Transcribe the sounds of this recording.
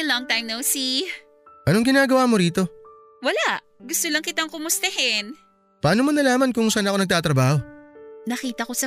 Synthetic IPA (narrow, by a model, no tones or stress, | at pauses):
lɔŋt̪ajmnowsi | ʔɐnoŋɡɪnaːɡɐwaːmoɾiːt̪o̞ | wɐlaʔ | ɡʊst̪olɐŋkɪt̪aŋkʊmʊst̪ɐɦɛn | paːnomonɐlaːmɐnkʊŋsanɐkoɐɡ̚t̪aːt̪ɾɐbaːho̞nɐkiːt̪ɐko̞sɐ